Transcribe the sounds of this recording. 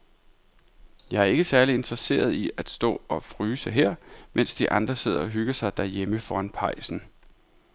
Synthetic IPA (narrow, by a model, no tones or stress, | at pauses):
jɑ̈ɪæɐe̝ɡ̥əsæɐlie̝nd̥ʁɐse̝̰ːɐð̞ˠiʔæd̥sd̥ɔ̰̽ːɒ̽fʁyːsəɦeɐ̰mʔen̰sd̥iʔɑ̈nd̥ʁɐse̝ð̞̰ˠɐɒ̽ɦyɡ̥ɐsɑ̈ɪd̥æɐjeməfɒːænpʰɑ̈ɪ̰sn̩